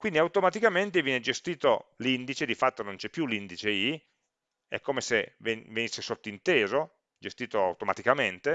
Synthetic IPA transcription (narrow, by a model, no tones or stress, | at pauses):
kwind̪iawt̪omat̪ikament̪evjɛːned͡ʒest̪iːt̪olind̪it͡ʃed̪ifat̪ːonont͡ʃɛpːjulind̪it͡ʃei | ɛ̰kːomesevevenisːesot̪ːoint̪eːzo | d͡ʒest̪iːt̪oa̰wt̪oma̰t̪ikament̪e